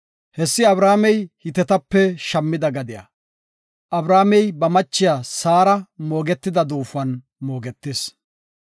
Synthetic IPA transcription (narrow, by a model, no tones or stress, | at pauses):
hɛsːɪɐbɾaːmɛjhɪt̪ɛt̪ɐpːɛʃɐmːɪd̪ɐɡɐd̪ɪja̰ | ʔɐbɾaːmɛjbɐmɐt͡ʃːɪjaːsaːɾɐmo̞ːɡɛt̪ːɪd̪ɐd̪uːfʊɐn | mo̞ːɡɛt̪ːeːs